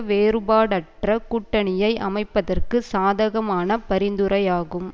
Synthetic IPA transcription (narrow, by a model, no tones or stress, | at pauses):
ʋeːɾɯbaːɽɐʈrɐkʊʈːɐɳɪjɐɪʔɐmɐɪpːɐðɐrkɯsaːðɐɣɐmaːnɐpɐɾɪnd̪ɯɾɐjaːɣɯm